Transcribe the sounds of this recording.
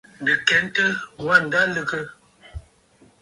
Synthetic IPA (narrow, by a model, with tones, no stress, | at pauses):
də˨kɛ˨˦n˦tə˦wa˦˨n˨da˦lə˦kə˦